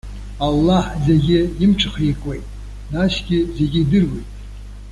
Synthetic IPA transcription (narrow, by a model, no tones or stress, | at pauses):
alːaħzeɡʲɪimt͡ʃʰʼχikʷʼwejtʼ | naʃɡʲɪze̞ɡʲɪːdɨrwejtʼ